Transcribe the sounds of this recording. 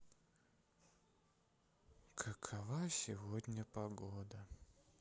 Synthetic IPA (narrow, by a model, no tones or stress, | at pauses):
kʰəkʰɐvasʲɪvodʲnʲəpɐɡod̪ə